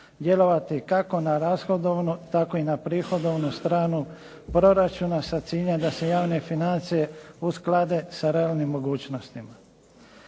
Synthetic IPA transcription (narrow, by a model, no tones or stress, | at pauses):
d̪je̞lo̞ʋat̪ikako̞naɾaːsxo̞d̪oʋnut̪ako̞inapɾiːxo̞d̪o̞ʋnust̪ɾaːnu | pɾo̞ɾat͡ʃunasat̪siːʎemd̪ase̞jaːʋne̞finant̪sije̞usklad̪e̞saɾe̞aːlnimːo̞ɡuːt͡ɕno̞st̪ima